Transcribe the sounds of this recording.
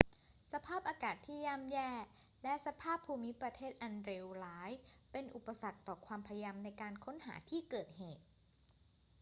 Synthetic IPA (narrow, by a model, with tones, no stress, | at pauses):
sa˧pʰaː˥˩p̚ʔaː˧kaː˨˩t̪ʰːiː˥˩jaː˥˩mjɛː˥˩ | lɛ˦˥ʔsa˧pʰaː˥˩pʰːuː˧mi˦˥pɾa˧t̪ʰeː˥˩t̪̚ʔa˧nɾe˧wlaː˦˥jpe˧nʔu˨˩pːa˧sa˨˩k̚t̪ɔː˨˩kʰwaː˧mpʰa˧jja˧mna˧jkaː˧nkʰo˦˥nha̰ː˩˦t̪ʰiː˥˩kɤː˨˩t̪̚heː˨˩t̪̚